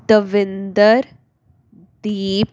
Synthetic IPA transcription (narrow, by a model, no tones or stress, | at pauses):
d̪əʋɪnd̪əɾ | d̪iːp